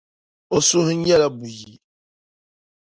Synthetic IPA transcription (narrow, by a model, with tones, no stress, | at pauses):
o˨su˦hɨ̃˦ɛ˦la˦bu˨ji˨